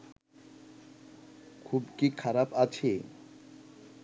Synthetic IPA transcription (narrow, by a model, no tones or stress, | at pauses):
kʰubkikʰaɾapat͡ɕʰe